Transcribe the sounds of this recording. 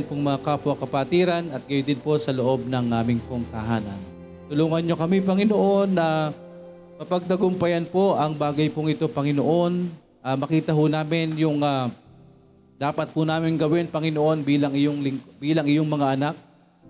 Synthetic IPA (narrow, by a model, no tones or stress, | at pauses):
npoŋmɐŋakaːpʊɐkɐpat̪iːɾɐnɐt̪̚ɡɐjʊnd̪ɪnpo̞sɐloʔo̞b̚nɐŋʔaːmɪŋpoŋt̪ɐɦaːnɐ̰n | t̪ʊluːŋɐnɲo̞kɐmipɐŋɪnoʔo̞nːɐ | mɐpɐɡ̚d̪ɐɡʊmpɐjanpo̞ʔɐŋbaːɡɐjpʊŋɪt̪o̞pɐŋɪnoʔo̞n | ʔamɐkiːt̪ɐɦʊnaːmɪnjʊŋa | d̪aːpɐt̪̚pʊnaːmɪŋɡɐwɪnpɐŋɪnoʔo̞nbiːlɐŋɪjoŋlɪŋkbiːlɐŋɪjoŋmɐŋaʔɐnak̚